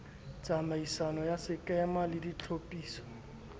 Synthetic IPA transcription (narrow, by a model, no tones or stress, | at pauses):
t͡sʼamaisanɔjasɪkʼɛmalɪdit͡ɬʰopʼiːsɔ̥